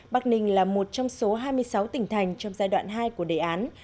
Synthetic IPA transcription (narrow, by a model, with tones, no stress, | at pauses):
ɓa˨˥˩k̚nï˨˩ŋ̟laː˨˩mo˨˩t̚t͡ɕɔ˧wŋ͡mso˨˦ɦaː˧jmɨ˧əjsa˨˦wt̪ï˧˩ŋ̟t̪ʰa˨˩jŋ̟t͡ɕɔ˧wŋ͡mzaː˧jɗwa̰ː˧˨nɦaː˧jku˧˩əɗḛ˧˩ʔaː˨˦n